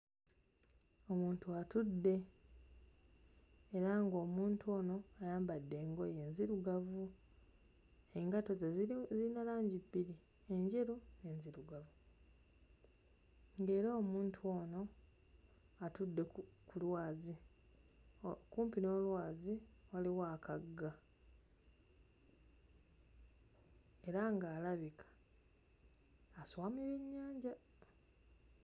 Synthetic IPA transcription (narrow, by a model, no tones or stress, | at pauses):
o̞muːntuatudːe̞ | ɾaŋɡo̞ːmuːntʰuo̞ːno̞ajaːmbadːe̞ːŋɡoje̞ːnziɾuɡavu | eŋɡato̞zezilinalaːɲɟibːiɾi | e̞ɲɟe̞ɾune̞ːnziɾuɡavu | ŋɡe̞ːɾaːmuːntʰuo̞ːno̞ | atudːe̞kulwaːzi | kuːmpino̞ːlwaːziwaliwaːkaɡːa | e̞ɾaŋɡaːlaβikʰḁ | swaːmiβiɲːaːɲɟa